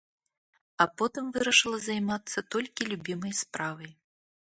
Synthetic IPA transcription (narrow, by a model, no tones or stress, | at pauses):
ɐpɔt̪ɨmvɨɾɐʂɨlˠɐzajmat̪sːɐt̪ɔlʲkʲilʲubʲimɐjspɾavɐj